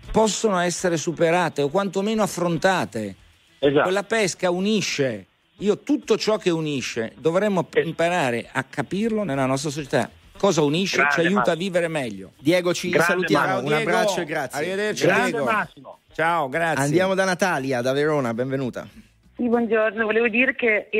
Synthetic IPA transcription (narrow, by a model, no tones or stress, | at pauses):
pɔsːonoɛsːeɾesupeɾaːt̪eokwant̪omeːnoafːɾont̪aːt̪e | welːapɛskauniʃːe | iːot̪ut̪ːot͡ʃɔkːeuniʃːḛd̪ovɾɛmːoimpaɾaːɾeʔa̰kʰːapirlonelːanɔs̬t̪ɾas̬ot͡ʃet̪a̰ | kːɔːzauniʃːet͡ʃajuːtt̪avːiːveɾemɛʎːo̰d̪jɛːɡot͡ʃisalut̪jaːmounaɛːbɾɡat͡ʃːoɡɾasarːived̪ert͡ʃːid̪ɛːɡo | t͡ʃaoɡɾat̪sːnːj̪d̪jaːmod̪anat̪aːljad̪aveɾoːnabɛɱvenuːt̪a̰ | sibwɔnd͡ʒornovoleːvod̪iːɾeke